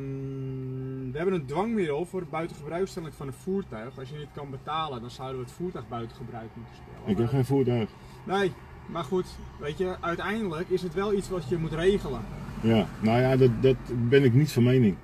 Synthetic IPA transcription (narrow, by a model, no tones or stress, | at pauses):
ʋəɦɛbənəndʋaŋmɪdəlˠfʊːrəbœɥtəxəbrœɥkstɛlˠəŋfɔnənfuːrtœɥxɔsjədɪtkɔnbətaːlˠədɔnsawdəʋəətfuːrtœɥxbœɥtəxəbrœɥkmutəspɪ̰əɪkɪxeːnfuːtœɥx | nej | marxutʋeːtjəʔœɥtɛjndələkɪsətʋɛlˠit͡sʋɔtjəmutreːɣələjanojadɔtdɔtbɪnɪknitfɔnmeːnɪŋ